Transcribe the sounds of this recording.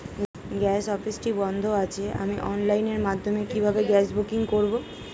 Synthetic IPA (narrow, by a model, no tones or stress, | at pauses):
ɡɛsɔfisʈibɔnd̪ʱoat͡ɕʰeʔa̰miʔɔnlajneɾmad̪ʱːomekibʱabeɡɛsbukiŋkoɾbo